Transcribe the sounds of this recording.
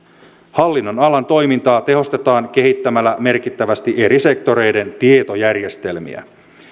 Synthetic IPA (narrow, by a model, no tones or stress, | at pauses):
hɑlːinːo̞nɑlɑnt̪o̞jmint̪ɑːt̪e̞ɦo̞st̪e̞t̪ɑːŋke̞ɦit̪ːæmælːæme̞rkit̪ːæʋæst̪iʔe̞ɾise̞kt̪o̞ɾe̞jde̞nt̪ie̞t̪o̞jærje̞st̪e̞lmḭæ̰